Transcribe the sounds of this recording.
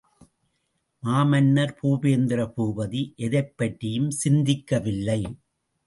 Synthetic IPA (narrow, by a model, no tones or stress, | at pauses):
maːmɐnːɐɾpuːbeːnd̪ɪɾɐpuːbɐðiʔɛðɐɪpːɐʈːɪjɯmsɪnd̪ɪkːɐʋɪlːɐɪ